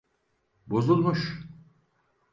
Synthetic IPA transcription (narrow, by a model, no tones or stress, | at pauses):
bozulˠmuʃ